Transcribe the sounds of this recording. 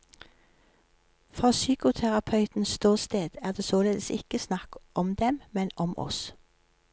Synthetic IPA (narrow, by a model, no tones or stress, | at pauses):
fʁɑːsyːkʊt̪ʰæʁɑpʰœʉt̪n̩sst̪uːʁst̪eːd̪̥æːʁd̪eːsoːleːd̪əsɪkəsnɑkʔɔmd̪ɛmmɛnɔmɔ̰s